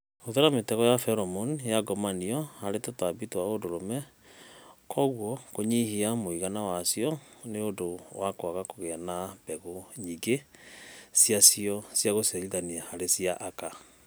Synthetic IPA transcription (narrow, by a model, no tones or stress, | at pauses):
oðɛɾametɛɣɔjafɛɾɔmɔnjaɡɔmaniɔhaɾetotabitowaodoɾomɛ | kʰɔɣwɔkoɲihiamoiɣanawasiɔneodowakwaɣakoɣɛanab̥ɛɣoɲiɡe | sjasiɔsjaɣosɛliðaniahaɾesiaʔaka